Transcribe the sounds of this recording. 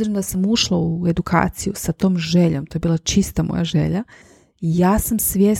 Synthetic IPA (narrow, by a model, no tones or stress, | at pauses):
ziɾenod̪asamuʃlˠaue̞d̪ukʰa̰ːt̪sijusat̪o̞ːmʒeʎomt̪ojebiːlˠat͡ʃist̪amʔo̰jaʒḛʎa | ijaːsamsʋʲjeː